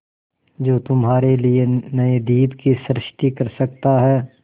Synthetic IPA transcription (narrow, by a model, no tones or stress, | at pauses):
d͡ʒoːt̪ʊmɦaːɾelienɐed̪iːbkisɾɪʃt̪ikɐɾsɐk̚t̪aɦɛː